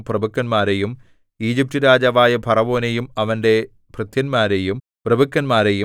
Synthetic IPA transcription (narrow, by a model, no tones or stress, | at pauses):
prɐbʱukːɐnmaːɾejum | iːd͡ʑip̚tɨɾaːd͡ʑɐʋaːjɐbʱɐrɐʋo̞ːnejumɐʋɐnde̞ | prɨt̪jɐnmaːɾejum | prɐbukːɐnmaːɾeju